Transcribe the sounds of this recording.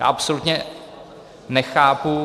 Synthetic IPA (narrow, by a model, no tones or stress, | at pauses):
ja̰ːʔapsolut̪ɲɛ | nɛxaːpu